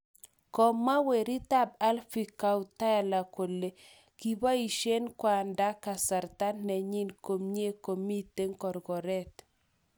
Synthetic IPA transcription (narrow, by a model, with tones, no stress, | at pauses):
kɔ˨mːa˦we˨ɾi˦ta˦b̚a˦lfi˨ka˦ut̪a˦ja˨la˨ko˨le˨ | ki˦ba˦i˨ʃe˦nkwa˨nda˦ka˨sa˨ɾt̪a˦nːɛ˨ɲi˦nko˨mɲe˦ko˨mi˦t̪e˦ŋkɔ˨ɾɡɔ˨ɾɛ˦t̪